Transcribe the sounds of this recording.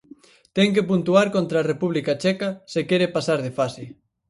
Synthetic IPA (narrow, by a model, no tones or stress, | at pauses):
t̪ɛŋk̬epunt̪uaɾkont̪ɾaːrepuβlikat͡ʃɛkɐsekɛɾepasaɾðefasɪ